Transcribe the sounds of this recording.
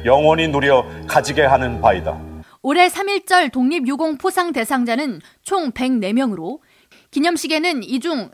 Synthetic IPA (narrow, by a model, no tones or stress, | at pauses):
jʌŋwʌɲinuɾjʌkad͡ʑiɡe̞ɦanɯnpaida̰ | oɾe̞sʰamiɭt͡ɕ͈ʌɭtoŋɲibjuɡoŋpʰosʰaŋte̞sʰaŋd͡ʑanɯn | t͡ɕʰoŋpe̞ŋne̞mjʌŋɯɾo | kiɲʌmɕʰiɡe̞nɯnid͡ʑuŋ